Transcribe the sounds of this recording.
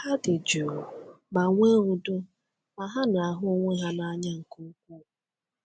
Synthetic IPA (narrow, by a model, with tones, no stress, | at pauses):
a˦dɪ˨d͡ʒu˨ | ɡ͡ba˨ŋʷe˦ɾu˨dʊ˦ | ma˨ɦa˦na˨a˨ɦʊ˦ŋʷe˦ɦa˦na˦ɲa˦ŋ̩˨ku˦kʷu˦˨